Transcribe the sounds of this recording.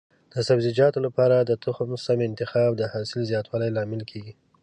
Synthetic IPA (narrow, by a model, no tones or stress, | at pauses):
d̪̥əsabzɪd͡ʒɑt̪olapɑɾad̪ət̪ʰʊxmsamɪnt̪ɪxɑbd̪əhɑsɪlzjɑt̪wɑlajlɑmɪlkʰeɡi